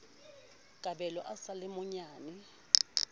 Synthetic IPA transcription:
kʼaɓɛlɔʔasalɪmʊɲaːni

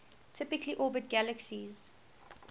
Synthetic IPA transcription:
tʰɪpɪkliʔɔːbət̚ɡ̥æləksiz̥

